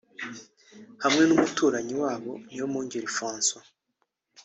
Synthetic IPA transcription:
hamŋe̞numutʰuːɾaɲiwaːβo̞̰niomuɲɟeɾifoːnso

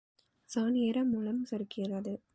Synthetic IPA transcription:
saːnɪjɐɾɐmʊlɐmsɐɾkɪrɐðɯ

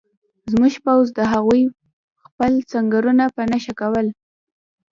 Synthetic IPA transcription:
zmuʒpawzd̪əɦaɣuj | xpəlt͡saŋɡaɾunapənaʃakawəl

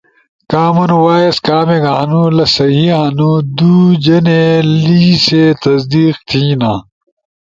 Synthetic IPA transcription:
kaːmɐnwaːeskaːmeɡaɐnulɐsɐɦiɐnud̪uːd͡ʑɐneliːseːt̪ɐsd̪iːqt̪ʰiːnãː

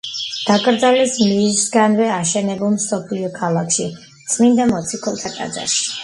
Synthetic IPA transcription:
d̪̥akʼɾd̪zalɛsmiːsɡanvɛaʃɛnɛbulˠmsɔpʰliɔkʰalˠakʰʃi | t̪sʼlind̪amɔt̪sʰikʰɔlˠt̪ʰat̪ʼa̰d̪za̰ʃi̥

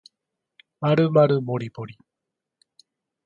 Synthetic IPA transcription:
maɾɯmaɾɯmoɾʲiboɾʲi

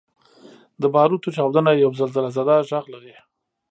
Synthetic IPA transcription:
d̪əbɑɾut̪ot͡ʃɑwd̪ənajawzalzalazad̪ɑʒaɣlaɾi

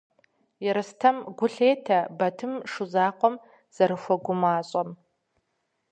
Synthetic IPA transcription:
jɪɾɨstʰɐmɡʷʊɬeːtʰɐbɐtʰɨmʂuzaːqʷɔm | z̥ɐɾɨxʷɔɡʷʊmaːɕʼɐm

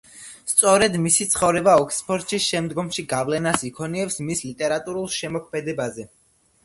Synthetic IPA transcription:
st̪sʼɔɾɛd̪misit̪sʰχɔvɾɛbaɔkʰspʰɔɾt̪ʼʃisʃɛmd̪ɡɔmʃiɡavlɛnasikʰɔniɛpsmislit̪ʼɛɾat̪ʼuɾulˠʃɛmɔkʰmɛd̪ɛbazɛ

